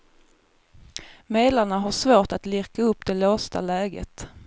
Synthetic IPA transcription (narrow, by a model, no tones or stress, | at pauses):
meːd̪laɳaɦaʂvoːʈat̪lɪɾkaɵpːd̪ɛloːst̪a̰lɛːɡə̰t̪